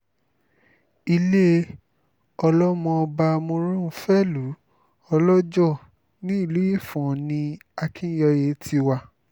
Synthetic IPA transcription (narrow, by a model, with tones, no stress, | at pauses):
i˧le˦ | ɔ˧lɔ˦mɔ̃˧ɔ˧ba˧mõ˧ɾ̃ũ˦fɛ˦lu˨˦ | ɔ˧lɔ˦d͡ʒɔ˦˨ | nĩ˦˨lu˨˦i˦˨fɔ̃˨nĩ˧a˧kʰĩ˦jɔ˧je˨˦tʰi˧wa˧˨